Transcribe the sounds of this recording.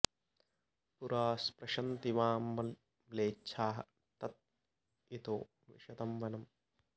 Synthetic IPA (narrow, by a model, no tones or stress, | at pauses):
puɾaːspɾɐʃɐnt̪iʋaːmʋɐn | leːt͡ʃʃʰaːɦɐ̰ | t̪ɐt̪̚ | it̪oː | ʋḭʃɐt̪ɐmʋɐnɐm